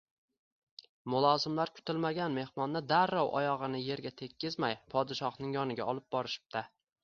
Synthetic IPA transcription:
mʊlˠɒzɪmlaɾkʰʊ̥t̪ʰɪlmaɡʲanme̞hmɒnːad̪aɾːɒwʔɒ̰jɒʁɨnɪje̞ɾɡʲat̪ʰe̞kʲʰːɪzmajpʰɒd̪ɪʃɒhnɪŋjɒnɪɡʲaɒlˠɪp̚bɒɾɪʃɪ̥p̚t̪ʰa

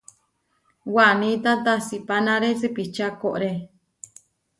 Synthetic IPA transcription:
wanĩt̪ãt̪asipanãɾesɨpit͡ʃakoʔɾe

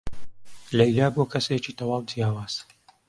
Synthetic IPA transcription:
lɐjlaːbokʰɐset͡ʃiːt̪ʰɐwɑːwd͡ʒjaːwaːz̥

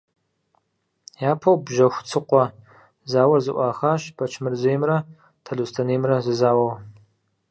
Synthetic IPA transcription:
jaːpʰɐwbʒɐxʷt͡sʰɨqʷɔ | zaːwɐrzɨʔʷɑːxaːʃbʰɐt͡ʃʰmɨrzejmrɐ | tʰɐɮuːstʰɐneːmrɐzɨzaːwɐw

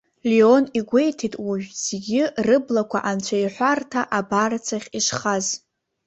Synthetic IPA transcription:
lio̞niɡʷe̞jtʰitʼwuʒᶣz̥ɡʲɪrɨblakʷʰaʔant͡ʃʷʰajħʷartʰaʔabart͡sʰaχʲiʂχaz

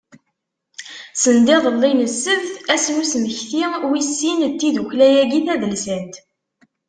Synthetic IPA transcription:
sənd̪eðˤəlːinəsːəvθæsnusməçθiwisːint̪ːiðuçlæjæɡiθæðəlsænt̪

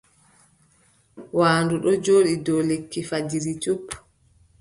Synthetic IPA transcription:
waːnduɗɔd͡ʒoːɗidɔlekːifad͡ʒiɾitupː

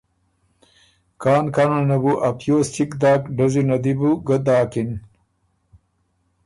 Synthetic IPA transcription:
kaːnkanɐnɐbuʔɐpjoːst̪ikd̪aːkɖɐzunɐd̪ibuɡɐd̪aːkin

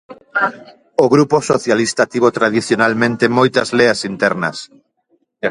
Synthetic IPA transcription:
oɣɾuposoθjalist̪ɐt̪iβot̪ɾaðiθjonalmẽnt̪emojt̪ɐzleɐsint̪ɛɾnɐ̰s

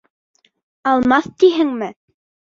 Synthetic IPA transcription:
ɑlˠmɑθt̪iɦɘŋmɘ

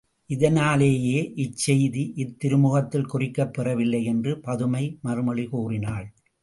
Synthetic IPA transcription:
ʔɪðɐnaːleːjeːʔɪt͡ʃːɛjðiʔɪt̪ːɪɾɯmʊɣɐt̪ːɪlkʊrɪkːɐpːɛrɐʋɪlːɐɪɛndrɯpɐðɯmɐɪmɐɾɯmɐɭɪkoːrɪnaːɭ

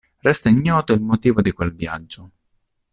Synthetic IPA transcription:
rɛst̪aiɲːɔːt̪oilmot̪iːvod̪ikwelvja̰d͡ʒːo

